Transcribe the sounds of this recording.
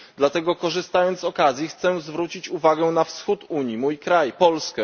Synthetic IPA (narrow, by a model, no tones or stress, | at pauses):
d̪lat̪ɛɡɔkɔʐɘst̪ajɔnt̪sɔkazʲjixt̪sɛzvɾut͡ɕit͡ɕuvaɡɛnafsxut̪uɲjimujkɾajpɔlskɛ